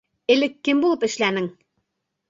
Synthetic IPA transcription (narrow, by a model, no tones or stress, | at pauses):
ɘ̆lɘkːɘmbulˠɤpɘ̆ʃlænɘŋ